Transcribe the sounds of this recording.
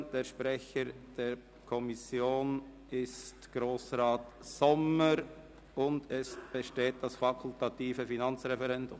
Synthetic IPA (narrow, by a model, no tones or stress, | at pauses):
d̥eːɐʃpʁɛçəɾd̥eːɾ | kʰɔmɪsjoːn | ɪstɡ̥ɾoːsʁaːt | sɔməɾ | ʊndɛsb̥əʃteːt̚d̥asfakʰʊltatiːfəfinɑnt͡sʁɛfɛʁɛndʊm